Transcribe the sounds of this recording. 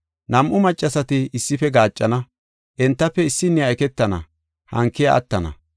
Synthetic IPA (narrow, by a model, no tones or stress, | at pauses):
nɐmʔʊmɐt͡ʃʼːɐsɐt̪ɪɪsːɪfɛɡaːt͡ʃʼːɐnɐ | ʔɛnt̪ːɐpːɛɪsːɪnːɪɐjkɛt̪ːɐnɐ̰ | hɐ̰ŋkːɪjɐ̰ɐ̰t̪ːɐnɐ̰